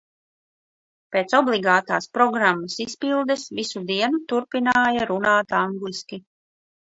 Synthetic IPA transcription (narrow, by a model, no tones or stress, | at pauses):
peːt̪sɔblˠiɡaːt̪aːspɾɔɡɾamːasispilˠd̪ɛsvisud̪iɛnut̪uɾpinaːjaɾunaːt̪aŋɡliskʲi